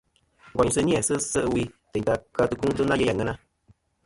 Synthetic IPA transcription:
ɡʷa˨ɲ˨sɨ˧˦ni˦ɛ˨sɨ˦sɨ˦ʔɨ˧wi˧tɛ˨ɲ˨ta˧ka˧tɨ˧ku˦tɨ˦na˦je˧ja˨ŋɨ˦na˦˧

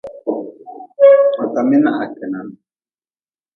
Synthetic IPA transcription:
a˨t̪a˨mi˦na˦ʔa˨kɛ˨na˨n

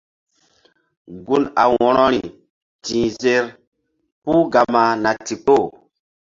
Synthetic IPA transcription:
ɡu˦na̰˨wɔ˨ɾɔ˦ɾi˨ | tĩ˨ze˦ɾ | pu˦ɡa˨ma˨na˨ti˨k͡po˦˨

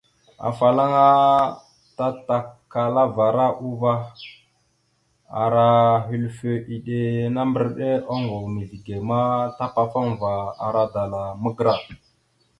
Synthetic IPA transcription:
a̰˨fa˨la˦ŋa˦ | ta˦ta˨kːa˨la˦va˨ɾa˦ʔu˦va˦ | a̰˨ɾa˨ɦi˨lfe˨ʔi˨ɗe˨na˦mbə˦ɾɗe˦o˦ŋɡo˨wmi˨ɮi˨ɡe˨ma˦ta˦pa˦fa˦ŋ˨va˨a˨ɾa˦da˨la˨mə˦ɡɾa˨

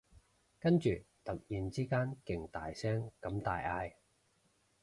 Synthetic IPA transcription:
kɐ˥nt͡ʃyː˨˩ | t̪ɐ˨k̚jiː˨nt͡siː˥kaː˥nkɪ˨ŋt̪a̰ː˨jsɛː˥ŋkɐ˨˧˥mt̪aː˨jaː˧j

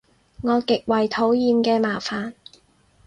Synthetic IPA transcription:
ŋɔː˨˧kɪ˨k̚wɐ˨jt̪ʰo˨˥wjiː˨mkɛː˧maː˨faː˨n

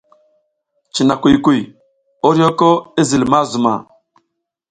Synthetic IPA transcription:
t͡ʃi˨na˨ku˨jku˨ | o˦ɾo˦ko˦i˦zi˨lma˦zu˨ma̰˨

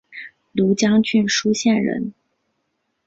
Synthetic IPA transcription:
lu˧˥t͡ɕjɑ˥ŋt͡ɕy˥˩nʂu˥ɕjɛ˥˩nɻə̰˧˥n

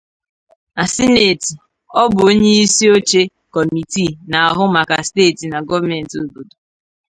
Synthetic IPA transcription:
a˨si˦ne˨ti˨ | ɔ˦bʊ˨o˦ɲe˦i˦si˦o˦t͡ʃe˦ | kɔ˨mi˨ti˦˨na˨a˨ɦʊ˦ma˨ka˨steː˦˨ti˨na˨ɡɔ˦va˦mɛ˨n̩˨to˨bo˨do˨

